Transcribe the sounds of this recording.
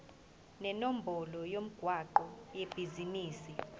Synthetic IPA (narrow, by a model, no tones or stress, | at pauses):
nɛnom̩bʱɔlɔjom̩ɡ̥ʱwaǃɔjeb̥ʱiziniːsi